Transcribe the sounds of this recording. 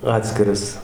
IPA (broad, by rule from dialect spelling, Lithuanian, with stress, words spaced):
ˈɑːtʲsʲkʲɪrɐs